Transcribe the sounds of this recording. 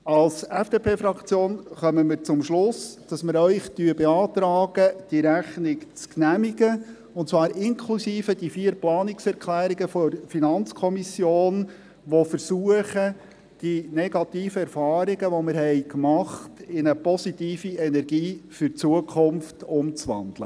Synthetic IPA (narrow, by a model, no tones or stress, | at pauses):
ɑlsɛfd̥eːpʰeːfɾɑkt͡sjoːnχœməmɪɾt͡sʊmʃlʊsd̥ɑsməɾœʏχtyəbeɑːt̪ɾɑːɡ̥əd̥iɾæχnɪkt͡sknæmiɡə | ʊntt͡svɑːɾɪnkʰlusiːfəd̥ifiːəɾplɑːnɪksɛɾkʰlæːɾiɡəfɔɾfinɑnt͡skʰɔmisjoːn | ʋofəɾsuəχə | d̥inɛɡ̥ɑtiːfəɛɾrfɑːɾiɡəʋɔmɪɾhɛɪkmɑχtɪnəpɔsitiːfiɛnɛɾɡiːfʏɾt͡suəkʰχʊmftʊmt͡sʋɑ̰nd̥̪lə̰